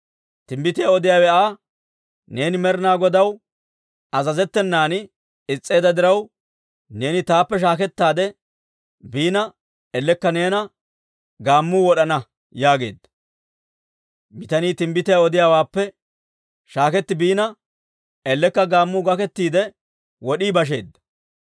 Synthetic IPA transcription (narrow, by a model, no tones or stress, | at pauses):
t̪ɪmbɪt̪ɪjaɔd̪ɪjaːwɛaː | ne̞ːnɪmɛɾɪnaːɡɔd̪ɐw | ɐzɐzɛt̪ːɛnːaːnɪ | ɪt͡sʼːe̞ːd̪ɐd̪ɪɾɐw | ne̞ːnɪt̪aːpːɛʃ̬aːkɛt̪ːaːd̪ɛ | biːnɐ | ɛlːɛkːɐne̞ːnɐ | ɡaːmːuːwɔɗɐnɐ | jaːɡe̞̰ːd̪ːɐ̥ | mɪt̪ɐniːt̪ɪmbɪt̪ɪjaɔd̪ɪjaːwaːpːɛ | ʃaːkɛt̪ːɪbiːnɐ | ɛlːɛkːɐɡaːmːʊːɡɐkɛt̪ːiːd̪ɛ | wɔɗiːbɐʃ̬e̞ːd̪ːɐ